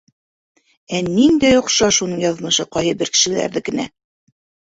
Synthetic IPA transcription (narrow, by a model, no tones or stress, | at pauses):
ænind̪æjŏqʃɑʃunɤɴjɑð̆mɤ̆ʃɤqɑjhɤbɘɾkɘ̥̆ʃɘ̆læ̰ɾðɘkɘ̆næ̰